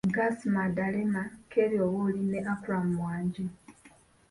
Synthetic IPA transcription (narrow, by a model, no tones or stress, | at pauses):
ɡasimadalemakʰeɾjoβolineʔapuɾamuwaːɲɟe